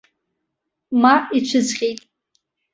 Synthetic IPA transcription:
mait͡ʃʷʰɨzʁʲejtʼ

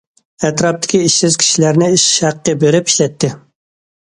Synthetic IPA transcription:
ɛt̪ɾɑp̚t̪ʰɪ̥kʲiiʃsɪz̥kʲʰi̥ʃilæɾnɪiʃæqːəbeɾɪpi̥ʃlɛt̪ʰːɪ

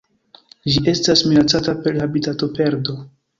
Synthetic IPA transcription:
d͡ʒiʔe̞stasminat͡satapeɾhabitato̞pe̞ɾdo̞

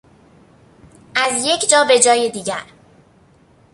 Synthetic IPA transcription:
ʔæzje̞cʰd͡ʒɒːbe̞d͡ʒɒːjed̪iːɟæɾ

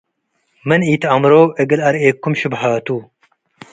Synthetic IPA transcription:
mɨniːt̪ɐmɾoːeɡɐlɐɾeːkːʊmʃɪbħaːt̪uː

